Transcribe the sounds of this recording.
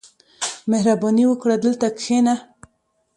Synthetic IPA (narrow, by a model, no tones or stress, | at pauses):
mehɾabɑniwəkɽad̪əlt̪akxena